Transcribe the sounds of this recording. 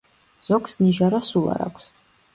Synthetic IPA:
z̥ɔksniʒaɾasulˠa̰ɾa̰kʷʰs

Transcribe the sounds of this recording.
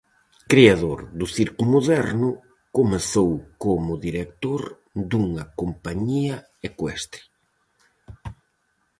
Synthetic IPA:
kɾiaðoɾðʊθiɾkumoðɛɾnʊ | komeθowkomʊðiɾekt̪oɾ | d̪uŋɐkompaɲiɐ | ekwɛst̪ɾi̥

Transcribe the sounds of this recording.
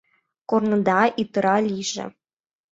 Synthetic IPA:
kornɤ̆d̪ɑʔit̪ːɤ̆ɾɑlʲiʒɘ̰̆

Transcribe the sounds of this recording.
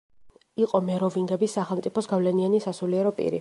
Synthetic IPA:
iqʼɔmɛɾɔviŋɡɛbisːaχɛlˠmt̪sʼipʰɔsɡavlɛnianisasuliɛɾɔpʼḭɾḭ

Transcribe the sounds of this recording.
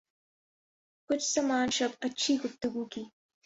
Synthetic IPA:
kʊt͡ʃsɐmaːnʃɐbɐt͡ʃʰiːɡʊt̪uɡuːkiː

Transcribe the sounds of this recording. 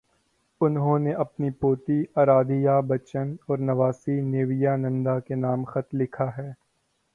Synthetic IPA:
ʊnɦõːneʔɐpnipoːt̪iɐːɾaːd̪ijabɐt͡ʃənɔːɾnɐʋaːsineːʋijanɐ̃nd̪akenaːmxɐt̪lɪkʰaɦɛː

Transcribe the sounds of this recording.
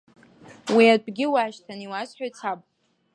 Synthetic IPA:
wiabɡʲɪwaːʃtʰaniwasħʷᶣajt͡sʰapʼ

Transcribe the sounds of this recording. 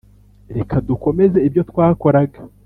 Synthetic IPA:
ɾe̞kʰaduko̞me̞ze̞ibjo̞twaːko̞ɾaɡḁ

